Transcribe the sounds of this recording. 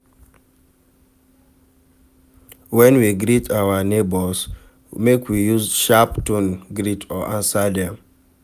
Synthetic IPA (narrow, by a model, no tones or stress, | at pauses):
wɛ̃nwiɡɾitʰawanebɔs | mekwijuzʃaptunɡɾitʰɔʔãnsadɛ̃m